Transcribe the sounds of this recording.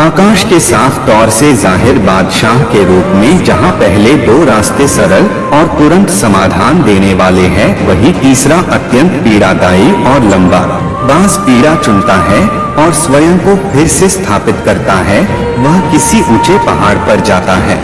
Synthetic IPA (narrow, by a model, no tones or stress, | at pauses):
aːkaːʃkesaːfʰt̪ɔːɾsezaːɦɪɾbaːd̪ʃaːɦkeɾuːpmẽd͡ʒɐɦãpɛɦled̪oːɾaːst̪əsɐɾəl | ɔːɾt̪ʊɾə̃nt̪sɐmaːd̪ʱaːnd̪eːneʋaːleɦɛʋɐɦit̪iːsɾaʔɐt̪jə̃nt̪piːɽad̪aːiɔːɾlɐ̃mba̰ː | baːzpiːɽat͡ʃʊ̃nt̪aɦɛ | ɔːɾswɐjə̃ŋkopʰɪɾsest̪ʰaːpɪt̪kɐɾt̪aɦɛ | ʋɐɦkɪsiʔʊt͡ʃepɐɦaːɽpɐɾd͡ʒaːt̪aɦɛ̰ː